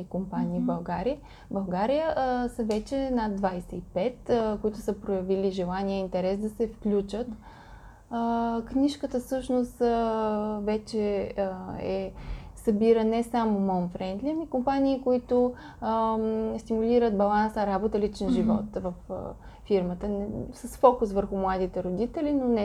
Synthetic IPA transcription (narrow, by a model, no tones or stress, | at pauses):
ikompanʲiːbɐlˠɡaɾiə | bɐlˠɡaɾijəsəvɛt͡ʃɛnad̪vajsɛipɛt̪koit̪ʊsəpɾojɐviliʒɛlˠaniɛint̪ɛɾɛsd̪ɐsɛfklʲut͡ʃət̪ | kniʃkət̪əfsɤʃnʊst̪ | vɛt͡ʃɛ | ɛsɐbiɾənɛsamomɔnfɾɛnd̪lʲimikompaniːkoit̪ʊ | st̪imuliɾət̪̚bɐlˠansəɾabot̪əlit͡ʃɛnʒivɔt̪vəfː | iɾmət̪ənsəsfɔkʊsvəɾxʊmlˠad̪it̪ɛɾod̪it̪ɛlinonɛ